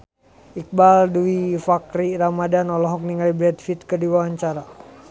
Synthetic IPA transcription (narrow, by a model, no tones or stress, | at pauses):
ik̚balduifakɾiramadanɔlɔɦɔk̚niŋalibɾɛdfit̪̚kərdiwawaɲt͡ʃaɾa